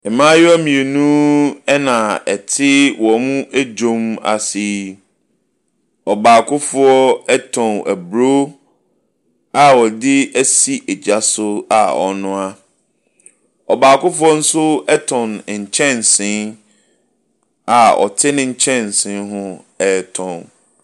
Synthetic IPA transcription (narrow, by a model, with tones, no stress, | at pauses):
ɪ˨mã˦jʊ˦æ˦mĩ˨e˨nũ˦ɛ˦nã˨ɛ˨tʰɪ˦wɔ˨mũ˦ʔæ˦d͡ʑõ˦ma̰˨si˦ | ɔ˨baː˨kʰʊ˦fʊ˦ɔ˦ɛ˦tʰɔ̃˨næ˨bɾo˦ | a˨wɔ˨dɪ˦æ˦si˦ʔɛ˨d͡ʑa˦sʊ˦a̰˨ɔ̰˨nʊ̃˦a˦ | ɔ˨baː˨kʊ˦fʊ˦ɔ˦n̩˦sʊ˦ɛ˦tʰɔ̃˨n˨ɲ̩˨t͡ɕʰɛ̃˦nsɪ̃˦n | a˨ɔ̰˨tʰɪ˦nʊ̃˦ɲ̩˦t͡ɕʰɛ̃˦n˨sɪ̃˦nɦʊ̃˦ɛ˨tʰɔ̃˨n